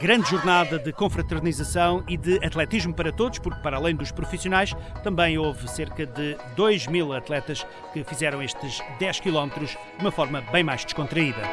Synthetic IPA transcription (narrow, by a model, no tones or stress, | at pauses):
ɡɾɐ̃nd̪ʒuɾnaðɐðɨkõfɾɐt̪ɨɾnizɐsɐ̃w̃iðɨɐt̪lˠɛt̪iʒmupɐɾɐt̪oðuʃpuɾk̚pɐɾalˠɐ̃j̃d̪uʃpɾufisiunajʃt̪ɐ̃mbɐ̃j̃ovseɾkɐðɨd̪ojʒmilˠɐt̪lˠɛt̪ɐʃ | kɨfizɛɾɐ̃w̃eʃt̪ɨʒd̪ɛʃkilˠɔmt̪ɾuʒ | d̪umɐfɔɾmɐbɐ̃j̃majʒd̪ɨʃkõnt̪ɾɐiðɐ